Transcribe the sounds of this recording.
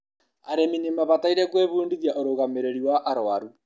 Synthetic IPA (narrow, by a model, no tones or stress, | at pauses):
aɾeminemaβataiɾɛkweβuːndiðjaʔoɾoɣameɾeɾiwaʔaɾoaɾu